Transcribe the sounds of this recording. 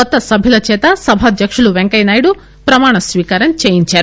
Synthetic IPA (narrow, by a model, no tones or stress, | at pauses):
ɔt̪ːɐsɐbʱilɐt͡ʃeːt̪ɐsɐbʱɐd̪ʱjɐkʂɐɭuʋeŋkɐjnaːjɽu | pɾɐmaːɳɐsʋiːkaːɾɐnt͡ʃeːjint͡ʃaːɾ